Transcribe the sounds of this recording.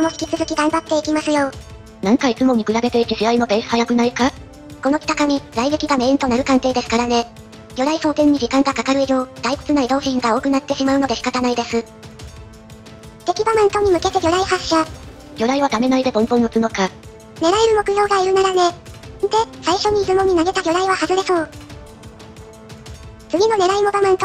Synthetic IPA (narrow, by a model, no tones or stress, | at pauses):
ko̞no̞çi̥kʲi̥t͡sɨzɨkʲiɡãmbat̪ːe̞ikʲimasɨjo̞ː | nãŋkait͡sɨmo̞ɲ̟ikɯ̟ɾabe̞t̪e̞it̪eʑiɾaino̞be̞ːsɨ̥hajakɯ̟naika | ko̞nokʲi̥t̪akaɲ̟ʲiɾaiɡekʲiɡame̞ːnt̪o̞naɾɯ̟kãŋt̪e̞ːd̪e̞sɨ̥kaɾane̞ | ɡ̥ʲo̞ɾaiso̞ːt̪ẽ̞ɲ̟ːid͡ʑikãŋɡakakaɾɯ̟ijo̞ːd̪̥aikɯ̟̥t͡sɨnaid̪o̞ːɕĩŋɡao̞ːkɯ̟nat̪ːe̞ɕimaɯ̟no̞d̪e̞ɕi̥kat̪anaid̪e̞sɨ | t̪e̞kʲibamãnt̪o̞ɲ̟imɯ̟ke̞t̪e̞ɡʲo̞ɾaihaɕːa | ɡʲo̞ɾaiβad̪ame̞naid̪e̞bõ̞mpõ̞nːot͡sɨno̞ka | ne̞ɾaeɾɯ̟mo̞kɯ̟jo̞ːɡaiɾɯ̟naɾane̞d̪e̞saiɕo̞ɲ̟iːzɨmo̞ɲ̟inaɡe̞t̪aɡʲo̞ɾaiβahazɨɾe̞so̞ː | t͡sɨɡʲinone̞ɾaimo̞bamẽnt̪o